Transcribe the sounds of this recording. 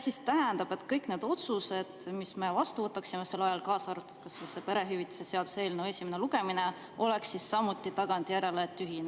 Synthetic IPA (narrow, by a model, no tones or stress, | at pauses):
sist̪æɦænd̪ɑb̥e̞t̪kɤjkne̞ːd̪̥o̞t̪suse̞d̪̥misme̞vɑst̪uvɤt̪ːˑɑksimose̞lːɑjɑlkɑːsɑɾut̪ːˑɑ̥d̪̥kɑssepe̞ɾe̞ɦyvit̪ːˑu̥seseɑd̪̥use̞ːlneesimene̞luɡ̥e̞mine̞ | o̞le̞ksːisːɑmut̪ːˑit̪ɑɡ̥ɑnd̪ʲijæɾe̞let̪ːyɦine